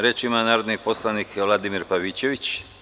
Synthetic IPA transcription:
ɾet͡ʃimanaːɾod̪nipo̞slˠanikʋlad̪imiɾpaʋit͡ɕeʋit͡ɕ

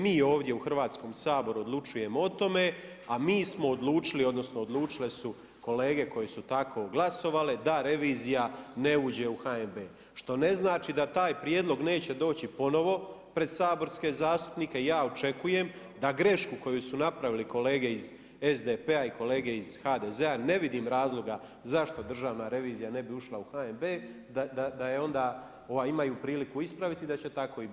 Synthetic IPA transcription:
miːo̞ːʋd̪je̞uxr̩ʋaːt̪sko̞ːmsaːbo̞ɾuod̪lˠut͡ʃuje̞moot̪o̞me̞ | amiːsmo̞ːd̪lˠuːt͡ʃilio̞d̪no̞sno̞od̪lˠuːt͡ʃile̞su | ko̞le̞ːɡe̞ko̞jesut̪akʰo̞ːɡlaso̞ʋale̞d̪aɾe̞ʋiːzijane̞uːd͡ʑe̞uxaembeː | ʃt̪o̞ne̞znaːt͡ʃid̪at̪aːjpɾjed̪lo̞ɡne̞ːt͡ɕe̞d̪o̞ːt͡ɕipo̞no̞ʋo̞ | pɾe̞d̪saːbo̞ɾske̞zaːst̪u̥pnike̞ijaːot͡ʃe̞kuje̞m | d̪aɡɾe̞ʃkuko̞jujsunapɾaʋiliko̞le̞ːɡe̞iz | ezd̪epeaiko̞leːɡe̞izxaːd̪ezeane̞ʋid̪iːmɾaːzlˠo̞ɡa | zaʃt̪o̞d̪r̩ʒaːʋnaɾe̞ʋiːzijane̞biuʃlˠauxaembeː | d̪ad̪ad̪ajeo̞nd̪aː | o̞ʋaimajupɾiːlikuispɾaʋit̪id̪at͡ɕe̞t̪ako̞ib

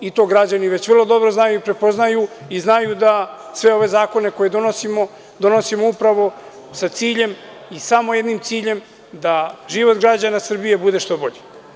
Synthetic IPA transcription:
it̪o̞ːɡɾad͡ʑaniʋe̞t͡ɕʋr̩lˠo̞d̪o̞bɾoznajuipɾe̞po̞znajuiznajud̪asʋe̞o̞ʋe̞zaːko̞ne̞ko̞je̞d̪o̞nosimo | d̪o̞no̞simoupɾaʋo̞ | sat̪siːʎe̞m | isamo̞je̞d̪nimt̪siːʎe̞m | d̪aʒiʋo̞t̪ɡɾad͡ʑanasr̩bije̞bud̪e̞ʃt̪o̞bo̞ʎi

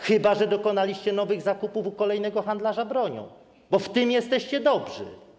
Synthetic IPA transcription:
xɘbaʐɛd̪ɔkɔnalʲiɕt͡ɕɛnɔvɘɣzakupufukɔlɛjnɛɡɔxand̪laʐabɾɔɲɔ̰̃w̃ | bɔft̪ɘmjɛst̪ɛɕt͡ɕɛd̪ɔbʐɘ̰

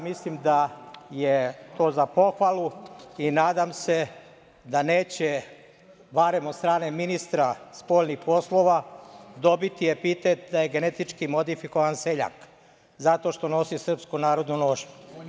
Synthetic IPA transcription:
mislimd̪ajet̪o̞ːzapo̞xʋalˠuinaːd̪amse̞ | d̪ane̞ːt͡ɕe | baɾe̞mot̪st̪ɾaːne̞minist̪ɾaspo̞ːlnixpo̞slˠo̞ʋad̪o̞bit̪ie̞pit̪et̪̚d̪aje̞ɡe̞net̪it͡ʃkimo̞d̪ifiko̞ʋanse̞ʎa̰k | zat̪o̞ʃt̪o̞no̞sisr̩pskunaːɾo̞d̪nuno̞ːʃu

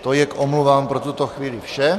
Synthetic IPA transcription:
t̪ojɛkʔomluvaːmpɾot̪ut̪oxviːlifʃɛ

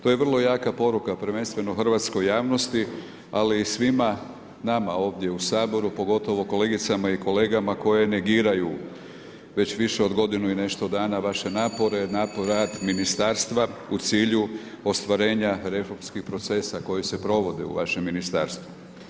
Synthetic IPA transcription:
t̪ojeʋr̩lˠo̞jaːkapo̞ɾukapɾʋe̞nst̪ʋe̞noxr̩ʋat̪sko̞jːaːʋno̞st̪i | aliːsʋima | namao̞ːʋd̪je̞usaːbo̞ɾupo̞ɡo̞t̪o̞ʋo̞ko̞le̞ɡit̪samaiko̞le̞ːɡamako̞je̞ne̞ɡiːɾaju | ʋe̞t͡ɕʋiʃeo̞d̪ɡo̞d̪inuine̞ʃt̪o̞d̪aːnaʋaʃe̞naːpo̞ɾe̞naːpoɾaːd̪minist̪aːɾst̪ʋaut̪siːʎu | o̞st̪ʋaɾe̞ːɲaɾe̞fo̞ɾmskixpɾo̞t̪se̞sako̞jise̞pɾo̞ʋo̞d̪eṵʋa̰ʃe̞mːinist̪a̰ːɾst̪ʋu

